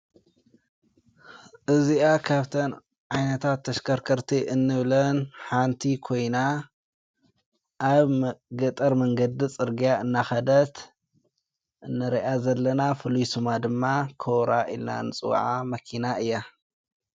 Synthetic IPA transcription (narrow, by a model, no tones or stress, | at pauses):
ʔɨziakʰaβt̪ʰɐn | ʕajnɐt̪ʰat̪ʰːɐʃkʰɐɾkʰɐɾt̪ʰiʔɨnːɨβlɐnħant̪ʰikʰo̞jna | ʔaβɡɐt̪ʼɐɾmɐŋɡɐd̪it͡sʼɨɾɡijaɨnːaxɐd̪ɐt̪ | ʔɨnːɐɾiʔazɐlːɐnafɨlujsumad̪ɨmːakʰowɾa̰ʔḭlna̰nɨt͡sʼɨ̰w̰ʕamɐkʰinaʔɨjːa